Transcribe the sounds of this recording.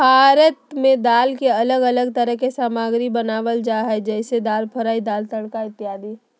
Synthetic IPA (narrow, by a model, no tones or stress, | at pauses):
bʱaːɾət̪mẽd̪aːlkeɐləɡɐləɡt̪əɾəɦkesaːmaːɡɾibɐnaːʋəld͡ʒaːɦɛd͡ʒɛːsed̪aːlpʰɐɾaːid̪aːlt̪əɽ̃kaɪt̪ːɪaːd̪i